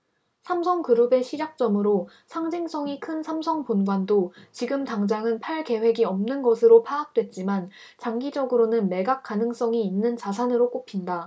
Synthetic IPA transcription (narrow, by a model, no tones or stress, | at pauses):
sʰamsʰʌŋkɯɾube̞ɕʰid͡ʑak̚t͡ɕ͈ʌmɯɾo | sʰaŋd͡ʑiŋs͈ʰʌŋikʰɯnsʰamsʰʌŋponɡwandot͡ɕiɡɯmtaŋd͡ʑaŋɯnpʰaɭke̞we̞ɡiʌmnɯnɡʌsʰɯɾopʰaːk̚t͈we̞t̚t͡ɕ͈iman | t͡ɕaŋɡid͡ʑʌɡɯɾonɯnme̞ɡak͈̚anɯŋs͈ʌŋiːnːɯnt͡ɕasʰanɯɾok͈opʰinda